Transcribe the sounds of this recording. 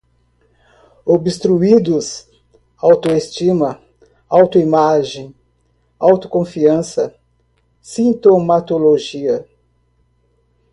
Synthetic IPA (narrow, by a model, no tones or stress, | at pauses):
obɪst̪ɾuid̪ʊs | awt̪oest͡ʃimɐ | awt̪ʊimaʒẽj̃ | awt̪ʊ̥kõfiɐ̃sɐ | sĩnt̪omat̪oloʒiɐ